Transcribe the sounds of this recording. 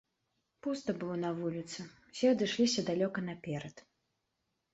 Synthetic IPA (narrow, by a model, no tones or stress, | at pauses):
pust̪ɐbɨlˠɔnɐvulʲit̪sɨwsʲɛɐd̪ɨʂlʲisʲɐd̪alʲɔkɐnɐpʲɛɾɐt̪